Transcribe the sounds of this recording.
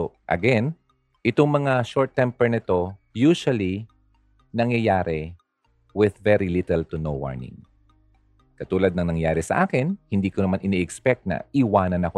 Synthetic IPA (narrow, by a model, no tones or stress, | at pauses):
ʔɐ̰ɡɛn | ʔɪt̪oŋmɐŋaʃoɹt̪ːɛmpɛɹnɛt̪o | juːʃɐli | nɐŋjɐjaːɾɛ | wɪðvɛɾilɪt̪ɛlt̪ʊnowwa̰ɹnɪ̰̃ŋ | kɐt̪uːlɐd̪̚nɐŋnɐŋjaːɾɛsɐʔaːkɪnhɪnd̪iːkonɐmanʔɪniʔɛkspɛk̚t̪̚nɐ̰ɪwaːnɐnɐko